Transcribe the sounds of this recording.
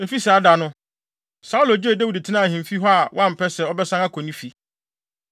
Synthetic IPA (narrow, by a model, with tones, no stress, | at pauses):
e˨fi˦sɛ˨a˦da˨nʊ̃˦ | sa˦u˦lo˨d͡ʑɪ˦e˦˨da˦wi˨dtʰɪ˦nã˦˨hɪ̃˨m˨fi˦ɦɔ˦a˨wʔã˦m̩˨pʰɛ˦sɛ˨ɔ˦bɛ˦sã˦ŋa˦kʰɔ˨nĩ˦fi˨